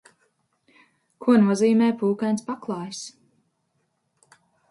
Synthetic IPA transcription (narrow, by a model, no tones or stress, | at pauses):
kʰuɔnuɔziːmɛːjpuːkajnspaklˠɑːjs